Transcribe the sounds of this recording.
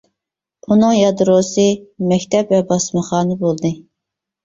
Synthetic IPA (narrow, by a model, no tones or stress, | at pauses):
unɨŋjɑd̪ɾosɨmɛkʲt̪ʰɛpvɛbɑsmɑχɑːnɨbolˠd̪ɨ